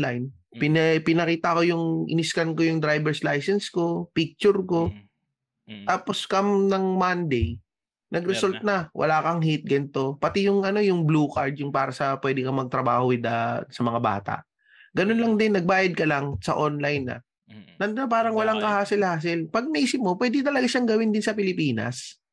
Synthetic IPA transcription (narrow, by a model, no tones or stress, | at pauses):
lajn | pɪnpɪnɐkiːt̪ɐko̞jʊŋʔɪ̰nɪskɐnko̞jʊŋd̪ɾajbɛɹslajsɛnsko̞pik̚t͡ʃʊɾko̞ | t̪aːpo̞skɐmnɐŋmand̪ɛj | nʔɐɡɾɛsolt̪̚nɐwʔɐ̰laːkɐŋhit̪̚ɡɐnt̪o̞pɐt̪ɪjʊŋʔɐno̞jʊŋbluːkaɹd̪̚jʊŋpaːɾɐsɐpwɛːd̪ɪkɐmɐɡ̚t̪ɾɐba̰ːhowɪd̪ɐsɐmɐŋaba̰ːt̪a̰ʔ | ɡɐnonlɐŋd̪ɪnːɐɡ̚baːjɐd̪̚kɐlaŋsɐ̰ʔonlajnːɐ̰ | nɐnd̪ʊnɐp̬aːɾɐŋwɐlaŋkɐhaːsɪlhaːs̬ɪlpɐɡ̚nɐʔiːsɪp̚mopwɛːd̪ɪt̪ɐlɐɡaʃaŋɡɐwɪnd̪ɪnsɐpɪlɪpiːnɐ̰s